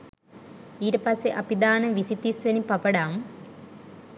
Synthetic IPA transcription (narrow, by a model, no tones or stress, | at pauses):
iːɾɐpɐseʔɐpid̪aːnɐʋisit̪ːisʋɐnipɐpɐɽaːm